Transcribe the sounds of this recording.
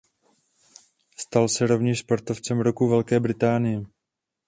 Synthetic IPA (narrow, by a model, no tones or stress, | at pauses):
st̪alsɛɾo̞vɲɛʃspoɾt̪o̞ft͡sɛmɾokuvɛlkɛːbɾɪt̪aːnɪjɛ